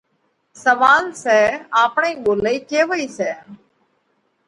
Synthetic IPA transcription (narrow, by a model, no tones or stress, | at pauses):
səʋaːlsɛːaːpɳeĩːɓoːləiːkeːʋəiːsɛː